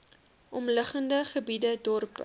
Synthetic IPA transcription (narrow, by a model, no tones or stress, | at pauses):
ʔɔmləχəndəχəbidədɔrpə̰